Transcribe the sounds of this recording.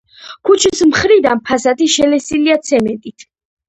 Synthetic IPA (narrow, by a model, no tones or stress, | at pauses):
kʰut͡ʃʰismχɾid̪anpʰasat̪ʰiʃɛlɛsiliat̪sʰɛmɛnt̪ʼit̪ʰ